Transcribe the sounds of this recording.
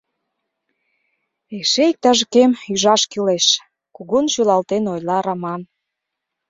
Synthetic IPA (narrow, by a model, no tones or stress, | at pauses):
eʃeik̚t̪ɑʒəkemyʒɑʃkileʃ | kuɣunʃylɑlt̪enojlɑɾɑmɑn